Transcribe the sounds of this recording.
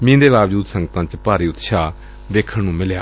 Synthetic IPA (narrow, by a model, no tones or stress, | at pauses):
mĩːd̪eːbaːʋd͡ʒuːd̪səŋɡət̪ãːt͡ʃpaːɾiːʊt̪ʃaː | ʋeːkʰəɳnũːmɪlja̰ː